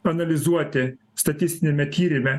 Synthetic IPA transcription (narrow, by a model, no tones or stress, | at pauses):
ɐnɐlʲɪzuɔt̪ʲɪ | st̪ɐt̪ʲɪst̪ʲɪnʲɛmʲɛt̪ʲiːɾʲɪmʲɛ